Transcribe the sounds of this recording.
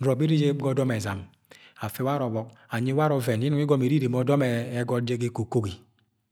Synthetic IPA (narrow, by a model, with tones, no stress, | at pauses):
ɾɔ˨bi˦ɾi˦d͡ʒe˦bɡɔ˦dɔ˦mɛ˨za̰˨m | a˨fe˨wa˦ɾɔ˨βɔ˨k̚a˨ɲi˦wa˦ɾɔ˨vɛ˨n˨i˦nu˨˦i˦ɡɔ˦me˨ɾi˦ɾe˨mɔ˨˦dɔ˦mɛ˨˦ɡɔ˦de˦ɡe˦ko˨ko˦ɡi˨